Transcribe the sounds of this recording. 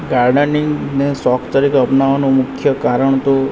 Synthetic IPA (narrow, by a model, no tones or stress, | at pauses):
ɡaɾɖəniŋɡnesɔkʰt̪əɾikəpnaʋanũmʊkʰjəkaɾəɳt̪o